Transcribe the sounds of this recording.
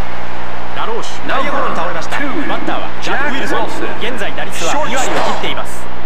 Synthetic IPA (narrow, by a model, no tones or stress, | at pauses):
ɾaɾoːɕi̥naakoɾõɲit̪aoɾemaɕi̥t̪a̰ | mant̪ːaːβa̰ | a | is | ɡẽ̞nd͡zaid̪aɾʲit͡sɨβa | iβaɾʲiokʲit̪ːe̞imasɨ̥